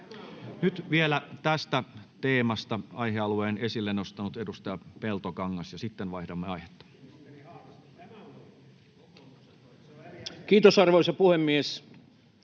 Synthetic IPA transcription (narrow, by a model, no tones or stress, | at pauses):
nyt̪ʋielæt̪æst̪æt̪eːmɑst̪ɑɑiheɑlueːnesilːenost̪ɑnut̪edust̪ɑjɑpelt̪okɑŋːɑsjɑsit̪ːenʋɑihdɑmːeɑihe̥t̪ːɑ̥ː | kiːt̪osɑrʋoˑisɑpuhemːies